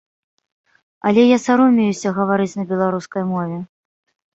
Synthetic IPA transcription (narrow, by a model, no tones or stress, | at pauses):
ɐlʲɛjasaɾɔmʲejusʲɐɣɐvaɾɨt͡sʲnɐbʲɛlˠaɾuskɐjmɔvʲɛ